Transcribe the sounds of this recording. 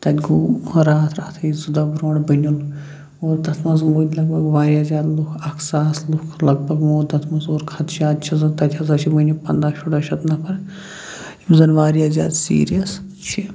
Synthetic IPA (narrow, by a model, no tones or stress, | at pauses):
t̪ɐt̪ʲɡuɾaːt̪ʰɾaːt̪ʰɐizud̪ɐbɾoːɳbɐnʲun | oːɾd̪ɐt̪ʰmɐzmoːd̪ʲlɐɡ̚bʱɐɡʋaːɾʲijaːzʲaːd̪lukʰɐkʰsaːslukʰlɐɡ̚bʱɐɡmoːd̪ɐt̪ʰmɐzoːɾkʰɐt̪ʰt͡ʃaːd̪t͡ʃʰizɐnt̪ɐt̪ʲʰɐzɐt͡ʃʰibɐnʲupɐnd̪aːʃʰuɽɐʃʰɐt̪nɐpʰɐɾ | imzɐnʋaːɾijaːzʲa̰ːd̪sḭːɾijɐs | t͡ʃʰi